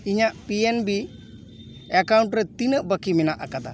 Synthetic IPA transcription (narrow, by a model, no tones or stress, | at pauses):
iɲaʔpienbi | ɛkawɳʈɾɛt̪inəʔbəkiminaʔakad̪a̰